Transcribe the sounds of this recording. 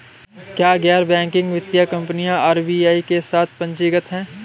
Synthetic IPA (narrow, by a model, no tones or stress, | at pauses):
kjaːɡɛːɾbɛ̃ːŋkɪ̃ŋɡʋɪt̪jakɐ̃mpnijãaːɾbiːaːikesaːt̪̚ʰpɐ̃ɲt͡ʃɪɡət̪ɦɛ̃ː